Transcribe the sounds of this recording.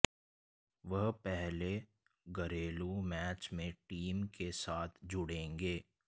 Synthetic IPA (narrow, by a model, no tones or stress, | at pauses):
ʋɐɦpɛɦle | ɡɐɾeːlumɛːt͡ʃmẽʈiːmkesaːt̪ʰd͡ʒʊɽẽːŋɡeː